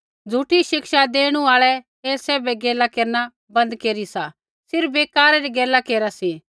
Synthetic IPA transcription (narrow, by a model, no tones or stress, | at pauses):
d͡zʱuʈiʃɪkʃad̪eːɽ̃ũaːɭɛ | ɛsɛːbɛɡɛːlakeːɾna | bɐ̃nd̪keːɾisaː | sɪɾbeːkaːɾaɾiɡɛːlakeːɾasiː